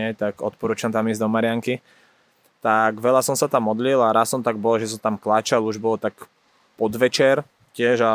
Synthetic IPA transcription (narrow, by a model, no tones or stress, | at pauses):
ɛt̪aɡɔ̰t̪̚pɔɾuːt͡ʃamt̪amizʲd̪ɔmaɾɪaŋki | t̪aɡʋɛʎasɔmsat̪amːɔd̪lilaɾasːɔmt̪aɡ̚bɔlʒɛs̬ɔmt̪amklat͡ʃaluʒbɔlt̪ak | pɔd̪ʋɛt͡ʃɛɾ | cɪɛʒa